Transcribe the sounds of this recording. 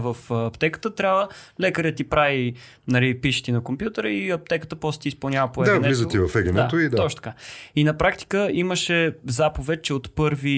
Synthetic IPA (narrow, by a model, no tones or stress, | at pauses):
vəfɐpt̪ɛkə̥t̪ət̪ɾʲabvəlɛkəɾʲət̪ipɾavi | nɐlipiʃi̥t̪inɐkompjut̪əɾəiɐp̚t̪ɛkət̪əpɔsɛt̪ispɐlˠnʲavəpoɛd̪avlizəivɐfɛɡənɛaoid̪aɔt͡ʃt̪ɐ̥kainɐpɾakt̪i̥kəiməʃɛzapovɛt̪̚t͡ʃɛot̪pɤɾvi